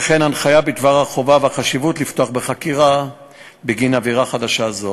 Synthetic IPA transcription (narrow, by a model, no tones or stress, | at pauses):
eχe̞nanχajavbit̪vaʁhaχo̞vaveaχaʃivutlift̪oaχbeχakiʁa | beɡinaviʁaχadaʃazo